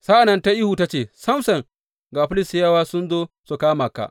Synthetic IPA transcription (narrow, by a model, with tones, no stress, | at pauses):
sa˦ʔa˨nɐ˨nta˦ʔi˦hu˨ta˦t͡ʃeː˨sɐ˦msɐ˨ŋ | ɡaː˨ɸʊ˦lɪ˨sjɐ˦waː˦sʊ˦nzoː˦ | su˨kaː˦ma˨ka̰˨ʔ